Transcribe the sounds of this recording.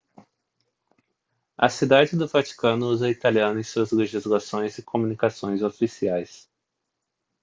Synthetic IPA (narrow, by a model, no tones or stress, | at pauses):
ɐ̰sid̪ad͡ʒɪd̪ʊvat͡ʃi̥kɐ̃nʊuzɐit̪aliɐ̃nʊẽj̃suɐzleʒizlasõj̃zɪkʰomũnikasõj̃zofisiajs